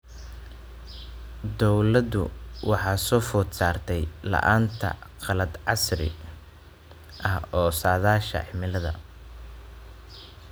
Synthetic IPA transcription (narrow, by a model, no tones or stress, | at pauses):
d̪ɔwlɐd̪ʊ̰wɑħɑːsɔːfʊd̪saːrt̪ʰɛjlɐ̰ʔaːnt̪ʰɐ̰qɑlɐd̪ʕɑsrɪ̰ | ʔɐɦɔːsaːðaːʃɐ̰ħɪmɪlɐðɐ̰